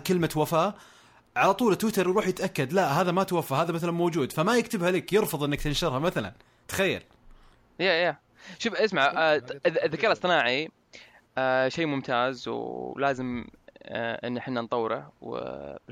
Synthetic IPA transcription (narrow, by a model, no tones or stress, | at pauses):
kɪlmawafaː | ʕalat̪ˤuːlɪt̪ːwɪt̪ɑɾwɾuːħjɪt̪ʔakːad̪laɦaːðamat̪wafːaɦaːðamaθalanmoːd͡ʒuːd̪famajɪkt̪ɪbhaliːkjɨɾfʊðˤɪnːakt̪ɪnʃɪɾˤhamaθala̰n | t̪ḁxajːa̰l | jajja | ʃɪʔɪsmaʕ | ðːɪkaːɾɨsˤɨnaːʕi | ʃejːmʊmt̪ʰaːzwlaːzɪm | ʔɪ̰nːħɪnːant̪ˤɑwːɾa̰w̰